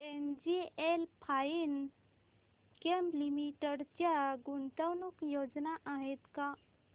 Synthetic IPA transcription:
end͡ʑielpʰain | kemlimiʈəɽt͡ɕaɡunt̪əwnukjod͡ʒnaʔaɦet̪ka

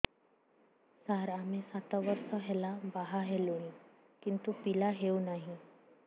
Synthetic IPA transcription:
saɾam̤esat̪aʋəɾsəɦelabaɦaɦelui | kint̪upilaɦeunaɦi

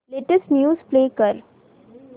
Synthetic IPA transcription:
leːʈəsʈnjuːspleːkəɾ

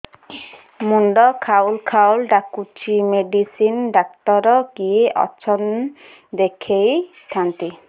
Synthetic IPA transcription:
muɳɖɔkʰaulkʰawlɖakut͡ʃʰimeɖisinɖak̚t̪ɔɾɔɡieʔɔ̰t͡ʃʰɔn | d̪ekʰejskʰant̪i

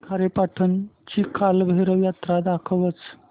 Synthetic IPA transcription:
kʰaɾepaʈʰənt͡ɕikʰalbʱeɾəjat̪ɾad̪akʰəʋət͡s

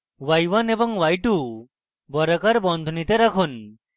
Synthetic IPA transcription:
wajʋanebɔŋwajʈu | bɔɾəkaɾbɔnd̪ʱunit̪eɾakʰun

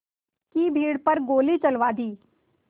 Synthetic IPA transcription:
kiːbʱiːɽpəɾɡoːlit͡ʃɐlʋaːd̪iː

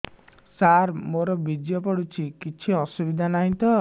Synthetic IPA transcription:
saɾmoɾɔbid͡ʒjɔpɔɽut͡ʃʰikit͡ʃʰiɔsubid̪ʱanaɦĩt̪ɔ

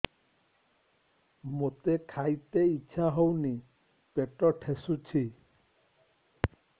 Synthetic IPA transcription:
mot̪ekʰajt̪eiːt͡ʃʰaɦowni | peʈɔʈʰesut͡ʃʰi

